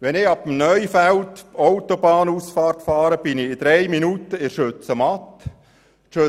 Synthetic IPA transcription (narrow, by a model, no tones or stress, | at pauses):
ʋɛnɪɑbəm̩nœjfæltowt̪obɑːnuːsfɑːrtfɑːɾəb̥ɪniɪd̪ɾɛjminut̪əɪɾʃɵt͡səmɑt̪ː | ʃø